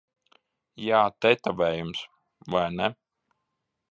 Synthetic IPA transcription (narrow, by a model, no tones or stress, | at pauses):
jaːt̪ɛt̪avɛːjums | vajnɛ